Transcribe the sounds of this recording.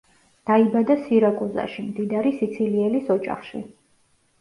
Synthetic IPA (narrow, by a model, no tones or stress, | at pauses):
d̪̥aibad̪asiɾakʼuza̰ʃimd̪id̪aɾisit̪sʰiliɛlisɔd͡ʒa̰χʃḭ